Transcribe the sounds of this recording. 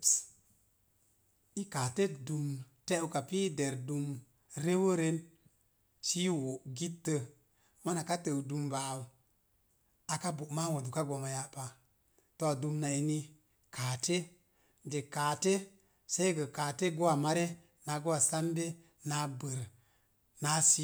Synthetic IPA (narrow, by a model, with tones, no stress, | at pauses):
i˦ka˨te˦du˨mte˦u˦ka˨pi˦de˨ɾdu˧m | ɾe˦wo˦ɾe˦n | t͡ʃi˦wo˨ɡi˦tːə˧ | ma˦na˨ka˦tə˨wdu˨mba˨u˨ | a˨ka˦bu˨ma˦wo˨du˨ka˦ɡo˨ma˨ja˨pa˨ | to˨a˨du˧mna˨i˨ni˧ | ka˨te˦ | d͡ʒe˨kaː˨te˦ | sa˦jɡə˨ka˨te˦ɡo˦wa˨ma˦ɾe˦ | na˨˦ɡo˦wa˨sa˦mbe˦ | na˨˦bə˨ɾ | na˨˦si˦